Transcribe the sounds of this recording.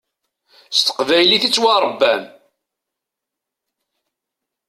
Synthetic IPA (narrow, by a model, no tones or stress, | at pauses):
st̪ə̥qvæjliθit͡sːwaɾˤəbːæm